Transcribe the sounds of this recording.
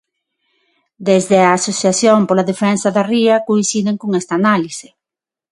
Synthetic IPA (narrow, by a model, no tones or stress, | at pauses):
d̪ezðeaːsoθjaθjompolaðefɛnsaðariɐkoinsiðeŋkoŋɛst̪aːnalisɪ̥